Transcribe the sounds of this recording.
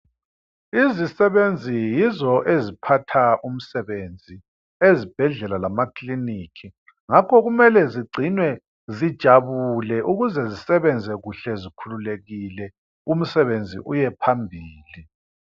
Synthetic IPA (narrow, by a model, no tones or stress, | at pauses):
izisɛβend͡zʱijizɔʔezipʰatʰaʔum̩sɛβend͡zʱi | ezib̥ʱɛɮɛlalamakʰlinikʰi | ŋakʰɔɣumɛlɛziɡ͡ǀʱinwɛ | zid̥ʒ̥ʱaβulɛʔuɣuzɛzisɛβɛnd͡zʱɛɣuɬɛzikʰululeɣilɛ | um̩sɛβend͡zʱḭʔujɛpʰambʱiːli